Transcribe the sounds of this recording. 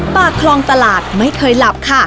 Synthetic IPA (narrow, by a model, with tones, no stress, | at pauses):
paː˨˩kʰlɔː˧ŋt̪a˧laː˨˩t̪̚ma˥˩jkʰɤː˧jla˨˩p̚kʰa˥˩